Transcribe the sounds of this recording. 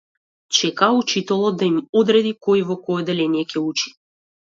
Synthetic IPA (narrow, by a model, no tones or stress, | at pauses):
t͡ʃɛkaut͡ʃit̪ɔlˠɔd̪aimɔd̪ɾɛd̪ikɔjivɔkɔjɛd̪ɛlɛnijɛcʲɛut͡ʃi̥